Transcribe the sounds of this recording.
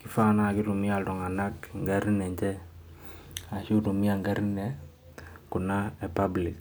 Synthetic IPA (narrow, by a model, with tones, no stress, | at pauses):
kɪ˦fa˦na˦˨kɪ˦ɾu˨mi˦a˨ltɔ˨ŋa˨na˦kŋɡa˦ɾnɛ˨ɲt͡ʃɛ˦ | a˨ʃi˦tu˨mi˦a˨ŋɡa˦ɾnɛ˨ | ku˨na˦ɛ˨pa˦blɪ˨k